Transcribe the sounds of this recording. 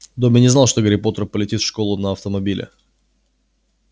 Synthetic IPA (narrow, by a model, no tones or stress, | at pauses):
d̪omʲɪnʲɪznalˠʂt̪oɡəɾʲɪpo̞t̪ərpəlʲɪtʲit̪fʂkolˠʊnəɐft̪əmɐbʲilʲɪ̰